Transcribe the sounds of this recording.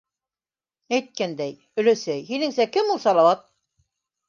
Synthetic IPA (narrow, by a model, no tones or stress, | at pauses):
æjt̪̚kænd̪æj | ɵ̆læsæjɦinɘ̆ŋsækɘmulˠsɑlˠɑwɑt̪̚